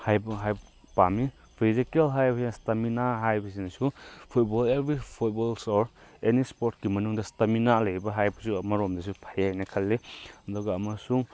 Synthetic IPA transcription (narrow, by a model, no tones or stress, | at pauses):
hajbɐɦajb | pami | pʰizikelɦajbɐsinɐstɐminaɦajbɐsinɐsupʰut̚bolebɾipʰut̚bolsoɾenispoɾtkimɐnuŋdɐstɐminalɐjɾibɐɦajbɐsuɐmɐɾomdɐsupʰajajnɐkʰɐlːeɐdɔɡɐːmɐsuŋ